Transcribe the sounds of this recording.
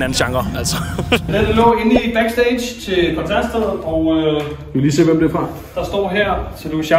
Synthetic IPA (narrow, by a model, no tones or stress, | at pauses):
næn̩ɕɑ̈ŋ̥ɐæl̰sɐnæd̥əlɔ̰ːe̝nib̥æɡ̥sd̥eɪ̥t͡sʰe̝pʰɒt͡sʰæsd̥əð̩ˠɒʊø̥uʋeliːse̝̰ːʋemd̥eɐfʁɑ̈ | d̥ɑ̈sd̥ɒ̰ːɦeɐ̰t͡sʰed̥uɕɑ